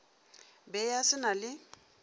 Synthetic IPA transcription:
bɛjasɪnalɪ

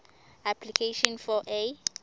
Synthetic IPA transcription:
apʰlikʰeʃɔnfɔʔe

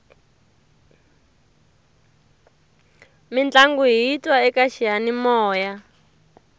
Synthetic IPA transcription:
mind͡ɮaŋɡuɦiːtwaɛkaʃijanimɔːja

